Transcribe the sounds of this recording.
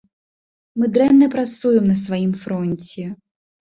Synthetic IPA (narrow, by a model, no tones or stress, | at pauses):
mɨd̪ɾɛnːɐpɾat̪sujɛmnɐsvajimfɾɔnʲt͡sʲɛ